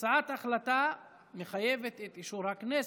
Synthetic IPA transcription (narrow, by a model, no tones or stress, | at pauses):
aat̪aχlat̪a | meχajevet̪et̪iʃuɾhaknes